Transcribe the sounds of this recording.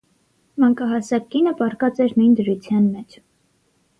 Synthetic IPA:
mɑŋkɑɦɑsɑkkːinəpɑɾkɑt͡sɛɾnujnd̪əɾut͡sʰjɑnmɛt͡ʃʰ

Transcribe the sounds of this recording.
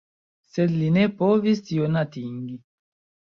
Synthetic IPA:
sedlinepovistionatiŋɡi

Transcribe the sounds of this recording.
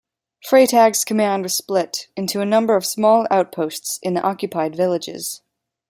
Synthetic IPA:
fɹeɪtʰæɡz̥kʰəmæ̃nd̚wʌz̥splɪɾɪ̃ntʰʉɨnʌ̃mbə˞ʌv̥smɔlˠaʊt̚pʰoʊstsɨ̃nðiʔɑkjɨpʰaɪdvɪlˠɨd͡ʒɪ̰z̥

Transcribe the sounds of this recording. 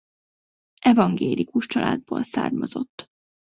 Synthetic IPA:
ʔɛvɒŋɡeːlikuʃt͡ʃɒlaːd̪̚boːlsaːrmɒzo̞t̪ː

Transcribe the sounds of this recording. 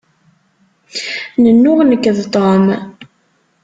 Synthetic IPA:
nənːʊʁnəkːðt̪ˤom

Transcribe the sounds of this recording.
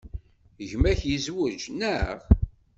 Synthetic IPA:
ʝmæçjəzwəd͡ʒnæʁ

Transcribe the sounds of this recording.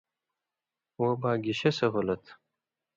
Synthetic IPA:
wobaːɡiɕesɐɦolɐt̪ʰ

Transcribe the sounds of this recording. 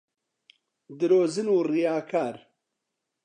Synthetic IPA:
d̪ɨɾoːzɨnuːrijaːkʰaːɾ

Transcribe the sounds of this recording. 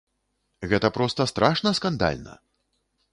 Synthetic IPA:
ɣɛt̪ɐpɾɔst̪ɐst̪ɾaʂnɐskand̪a̰lʲnɐ̰

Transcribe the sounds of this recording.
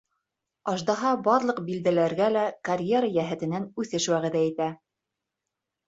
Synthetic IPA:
ɑʒd̪ɑɦɑbɑɾlˠɤ̆qbild̪ælæɾɡælækɐrʲje̞ɾəjæɦɘ̆t̪ɘ̆nænʉθɘʃwæʁɘ̆ðæit̪æ

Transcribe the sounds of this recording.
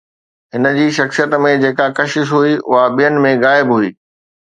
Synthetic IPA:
ɦɪnəd͡ʑiːʃɐxsijət̪mẽd͡ʑeːkakɐʃɪʃ̬ɦuiʔʊ̰ɦaɓijənɪ̆mẽɣaːɪbɦuiː

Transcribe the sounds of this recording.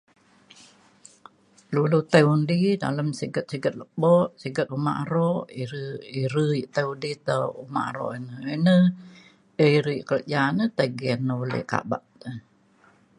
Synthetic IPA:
lulut̪əundida̰ləmsiɡət̪̚siɡət̪̚ləbɔʔsiɡət̪̚uma̰ʔaɾɔʔiɾəiɾəiʔt̪əudit̪əuma̰ʔa̰ɾɔ̰ʔinəənə | əiɾəiʔkələʔd͡ʒanət̪əɡɛnːəulə̰ʔka̰ba̰ʔt̪ə

